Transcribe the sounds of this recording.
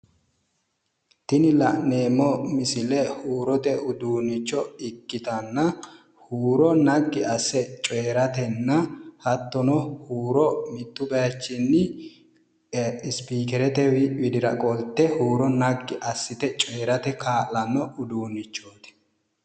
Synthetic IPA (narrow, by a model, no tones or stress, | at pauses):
t̪ɪnɪlɐʔneːmːɔmɪsɪlɛhuːɾɔt̪ɛʔʊd̪uːnːɪt͡ʃːɔɪkːɪt̪ɐnːɐ | huːɾɔnɐɡːɪɐsːɛt͡ʃʼeːɾɐt̪ɛnːɐhɐt̪ːɔnɔhuːɾɔmɪt̪ːʊbɐjɐt͡ʃːɪnːɪ | ɪspiːkɛɾɛt̪ɛwwɪd̪ɪɾɐ̰kʼɔlt̪ːɛhuːɾɔnɐɡːɪʔɐsːɪt̪ɛt͡ʃʼeːɾɐt̪ɛkʰaːlɐnːɔʊd̪uːnːɪt͡ʃːoːt̪ɛ̥